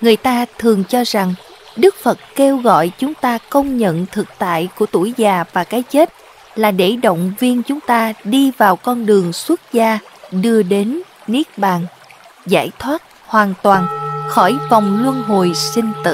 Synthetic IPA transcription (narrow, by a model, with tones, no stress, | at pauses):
ŋɨ˨˩əjt̪aː˧t̪ʰɨ˨˩əŋt͡ɕɔ˧za˨˩ŋ | ɗɨ˦˥k̚fə˨˩t̚ke˧wɣɔ̰˧˨jt͡ɕʊ˨˦ŋ͡mt̪aː˧kə˧wŋ͡mɲə̰˧˨nt̪ʰɨ˨˩k̚t̪a̰ː˧˨jku˧˩ət̪u˧˩jzaː˨˩vaː˨˩kaː˨˦jt͡ɕe˦˥t̚ | laː˨˩ɗe˧˩ɗo̰˧˨wŋ͡mvi˧ənt͡ɕʊ˨˦ŋ͡mt̪aː˧ɗi˧vaː˨˩wkɔ˧nɗɨ˨˩əŋswə˦˥t̚zaː˧ɗɨ˧əɗe˨˦nni˦˥ək̚ɓaː˨˩n | za̰ː˧˩jt̪ʰwaː˦˥t̚ | hwaː˨˩nt̪waː˨˩nxɔ˧˩jvɔ˨˩wŋ͡mlwə˧ənɦo˨˩jsï˧ŋ̟t̪ɨ̰˧˨